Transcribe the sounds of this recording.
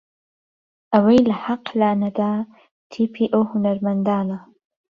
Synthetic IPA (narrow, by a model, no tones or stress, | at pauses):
ʔɐwɐjlɐħaqlaːnɐd̪aː | t̪ʰiːpʰiːʔawhʊnaɾmɐnd̪aːna